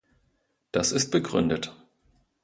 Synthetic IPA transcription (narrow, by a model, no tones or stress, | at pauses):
d̥asɪst̚b̥əɡʁʏ̰ndət